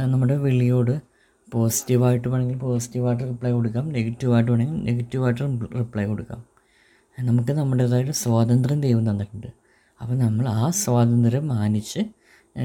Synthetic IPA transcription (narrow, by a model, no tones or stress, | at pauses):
nɐmːuɽe̞ʋiɭːijo̞ːɽɨ | po̞ːsi̥tːiʋaːjiʈːɨpɐɳeŋɡilpo̞ːsi̥tːiʋaːjiʈ̬ːɨripɭɐjko̞ɽukːaːmne̞ɡɐtːiʋaːjiʈ̬ːɨpɐɳeŋɡilneɡɐtːiʋaːjʈ̬ːɨripɭɐjko̞ɽukːa̰ːm | nɐmukːɨnɐmːuɽeðaːjiʈːɨsʋaːt̪ɐnd̪rɐmd̪ejʋɐnt̪ɐnːɐʈːuɳɖɨ | ɐpːonɐmːɐɭaːsʋaːd̪ɐnd̪ɾɐmːaːnit͡ɕːɨ